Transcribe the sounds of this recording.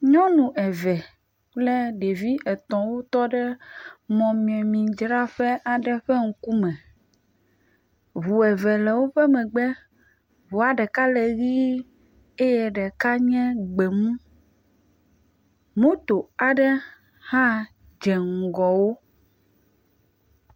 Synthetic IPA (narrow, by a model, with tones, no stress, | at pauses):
ɲɔ̃˦nũ˨ʔɛ˨vɛ˨ | k͡plɛ˦ɖe˨vi˦ʔɛ˨t̪ɔ̃˨wo˦t̪ɔ˦ɖɛ˦mɔ̃˨mĩ˨ɛ̃˨mĩ˨d͡ʒɾa˦ɸɛ˦ʔa˨ɖɛ˨ɸɛ˦ŋ̩˦ku˦mɛ̃˨ | βu˨ɛ˨vɛ˨lɛ˨wo˦ɸɛ˦mɛ̃˨ɡ͡bɛ˦ | βu˨a˨ɖɛ˨ka˦lɛ˨ɣi˦ | e˦jɛ˨ɖɛ˨ka˦ɲɛ̃˦ɡ͡be˨mũ˦ | mõ˦t̪o˨a˨ɖɛ˦ | hã˦ | d͡ʒɛ˨ŋ̩˨ɡɔ˨wo˦